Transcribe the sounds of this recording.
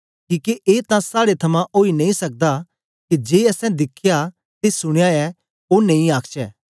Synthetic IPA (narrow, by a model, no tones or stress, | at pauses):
kiːkeʔeːt̪ãsaːɽet̪ʰɐmãʔoːinɐ̃ĩsɐk̚d̪a | kid͡ʒeːɐsɛ̃d̪ɪkʰːja | t̪esʊɽ̃jaɛ | oːnɐ̃ĩaːkʰt͡ʃɛ̰ː